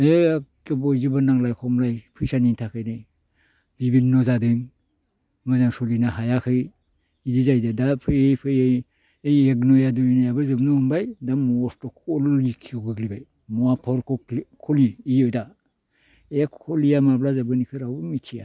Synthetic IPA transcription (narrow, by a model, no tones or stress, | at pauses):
ekebɔjzɯbanaŋlajkʰɔmlajpʰɯjsanintʰakʰɯjnɯ | b̥ibinnɔzadɯŋ | mɯzaŋsɔlinaɦajakʰɯj | idizajdɯdapʰɯjejpʰɯjej | ejeɡnɔjadunajabɯzɯbnɔhɯmbajdamɔɔstɔkʰɔlikʰiɡɯɡlibaj | mɔapʰɔɾkɔkʰɔliːjɔjda | ejakʰɔlijamablazabɯnikʰɯɾawmitʰija